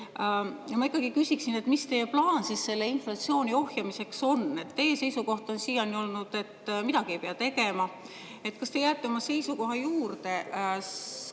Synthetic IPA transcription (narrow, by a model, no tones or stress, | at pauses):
jɑmɑikːˑɑɡ̥ikysʲiksine̞t̪ˑmist̪e̞jːeplɑːnsisse̞lːe̞inflɑt̪sio̞ːnʲio̞hjɑmise̞kso̞ne̞t̪ːe̞jese̞jsuko̞ht̪ˑo̞nsiːjɑnio̞lnud̪̥e̞t̪mid̪ɑɡ̥iejpe̞ɑt̪e̞ɡe̞mɑ | e̞t̪ːˑkɑst̪e̞jæːt̪ːeo̞mɑse̞jsuko̞ɦɑjuːrd̪e̞